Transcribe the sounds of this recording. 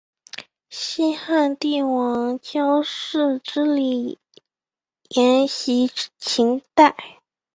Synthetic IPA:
ɕi˥xa˥˧nt̪i˥˩wɑ˧˥ŋt͡ɕʰjɑ˥ʊʂɻ̩˥˧ʈ͡ʂɻ̩˥li˨˩ | jɛ˧˥nɕi˧˥t͡ɕʰi˧˥ŋt̪a˥˩ɪ

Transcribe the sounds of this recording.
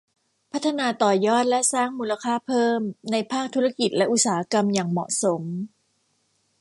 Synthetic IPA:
pʰa˦˥t̪ʰːa˧naː˧t̪ɔː˨˩jɔː˥˩t̪̚lɛ˦˥saː˥˩ŋmuː˧la˧kʰaː˥˩pʰɤː˥˩mna˧jpʰaː˥˩k̚t̪ʰu˦˥ɾa˧ki˨˩t̪̚lɛ˦˥ʔu˨˩t̪̚saː˨˩˦ʔa˦˥ka˧mjaː˨˩ŋmɔ̰˨˩ʔso˩˦m

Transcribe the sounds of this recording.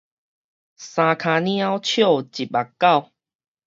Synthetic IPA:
sã˧kʰa˧nĩ˦a˦wt͡ɕʰjo˥˨t͡ɕi˨t̚ba˨˩kːa˥˨w

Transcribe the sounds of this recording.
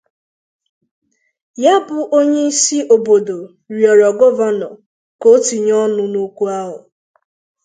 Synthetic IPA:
ja˦bʊ˨ʔo˦ɲe˦i˦si˦ʔo˨bo˨do˨ | ɾi˨ɔ˨ɾɔ˨ɡɔ˦va˦nɔ˨ | ko˦ti˨ɲɔ˦nʊ˦nu˦kʷu˦a˦ɦʊ˨

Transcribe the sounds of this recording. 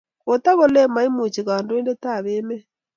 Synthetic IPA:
o˨ta˦ɣo˦lɛ˦ma˨˦i˦mo˨t͡ʃi˨ɣa˨ndo˦e˦nde˦ta˦˨βeː˦mɛ˦

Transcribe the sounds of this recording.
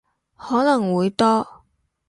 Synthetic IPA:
hɔː˨˥nɐ˨˩ŋwuː˨˧jt̪ɔː˥

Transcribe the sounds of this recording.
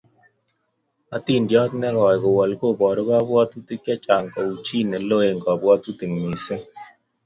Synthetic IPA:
a˨ti˦˨ndjɔ˦tnɛ˦ɣɔ˨jko˨wa˨lko˦˨bɔ˨ɾo˦ɣa˦βwɔ˦tu˦ti˦kja˦t͡ʃa˨ŋkɔ˨u˨t͡ʃi˦˨nɛ˨lo˦e˨ŋɡɔ˨bwɔ˦tu˦ti˨ŋmi˨sɪ˦ŋ

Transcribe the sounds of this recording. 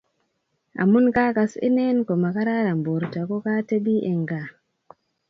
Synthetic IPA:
ʔa̰˨mu˦nkakasḭ˦nɛnkɔ˨ma˨ka˦ɾaɾa˨mbo˨ɾtakɔ˦kate˦bi˦ʔɛŋɡa

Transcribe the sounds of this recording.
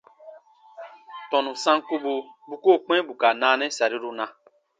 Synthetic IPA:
tɔ̃˨nũ˨sã˦ŋ˦ku˦bu˨bu˦ko˦k͡pɛ̃˦bu˨ka˨naː˨˦nɛ̃˦sa˨ɾi˦ɾu˦nã˨˦

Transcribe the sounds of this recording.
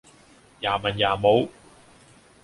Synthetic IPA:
jaː˨˩mɐ˨˩njaː˨˩mo˨˧w

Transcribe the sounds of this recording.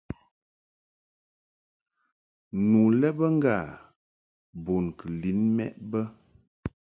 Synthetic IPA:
nu˨lɛ˦bə˦ŋ̩˦ɡa˦˨ | bo˨nkə˨li˨˦nmɛ̰˦ʔbə˦

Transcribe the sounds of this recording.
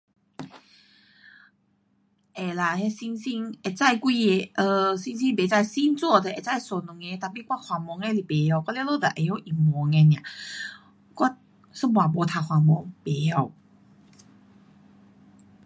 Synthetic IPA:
ʔe˨la˨˩ɦe˦˧si˧ŋsi˧˥ŋe˨˩t͡sa˥˧˨jkwi˧e˧˩ʔə˧si˧ŋs̬i˧ŋbe˨t͡sa˥˧˩jsi˧˦nt͡swu˥˧˨t̪e˧˨e˨t͡sa˥˧˩jso˨˩nu˨ŋe˧˦t̪a˨˩pi˧˨kwa˦˥kʰwa˨mɔ˨˧˦ŋe˧˦li˨˩be˨˦ja˧˨kwɔ˥ljɛ˧˦lo˥˧˨d̪a˨ʔe˨ho˧˦ʔi˨˩mɔ˨˦ŋɛ˧n˧ã˨ | kɔ˥t̚ | sə˦˥bwa˨bɔ˨˧˦t̪ʰa˨˧kʰwa˨mɔ˧˦ŋbe˨˦hɔ˧˩w

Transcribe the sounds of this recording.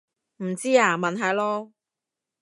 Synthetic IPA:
m̩˨˩t͡siː˥aː˨˧mɐ˨nɦaː˨˧jlɔː˥

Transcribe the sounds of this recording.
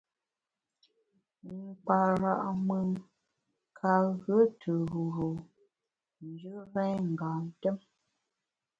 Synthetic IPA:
ŋ˨k͡pa˨ɾa˦˨ʔmɯ˨ŋ | kʰa˨ɣə˦tʰə˨ɣu˨ɾo˨ | n̩˨˦d͡ʒʉ˦ɣɛ̃˦ɲŋ̩˨ɡa˨n̩˨tɛ˦m

